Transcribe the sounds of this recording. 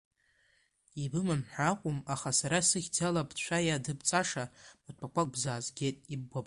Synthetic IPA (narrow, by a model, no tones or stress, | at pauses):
ibɨmɨmħʷaqʷʼumaχasaɾasɨχʲd͡zalabʰt͡ʃʷajadɨbt͡sʼaʂamatʷʰakʷabzaːzɡʲetʼib̚ɡʷabʼ